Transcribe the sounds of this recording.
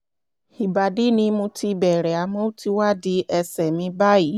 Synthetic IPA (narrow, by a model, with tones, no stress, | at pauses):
i˨ba˨de˨˦nĩ˧mũ˧ti˧bɛ˨ɾɛ˨a˨mõ˦o˦ti˦wa˦˨di˧˦ʔɛ˧sɛ˨mĩ˧ba˦ji˨˦